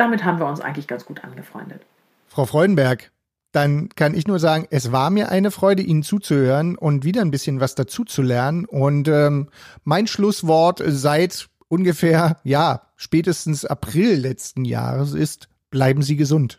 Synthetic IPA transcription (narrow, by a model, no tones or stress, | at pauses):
d̥amɪthaːbm̩viːɐʊnsʔa̰ɪɡŋ̩tlɪçɡ̥ant͡sɡ̥uːtʔa̰nɡəfʁ̥ɔ̰ʏndət | fʁ̥aʊfʁ̥ɔʏdn̩bɛɐk | d̥ankʰanɪçnuːɐzaːɡŋ̩ʔɛsv̥aːɐmiːɐʔa̰ɪnəfʁ̥ɔʏdəʔiːnənt͡suːt͡suhøːʁənʔʊntv̥iːdɐnbɪsçənvasd̥at͡suːt͡sulɛɐnənʔʊntʔɛːmmaɪnʃlʊsv̥ɔɐtzaɪt | ʔʊnɡəfeːɐjaː | ʃpɛːtəstn̩sʔa̰pʁ̥ɪllɛt͡stn̩ja̰ːʁəs̬ɪst | b̥laɪbm̩ziːɡəzʊnt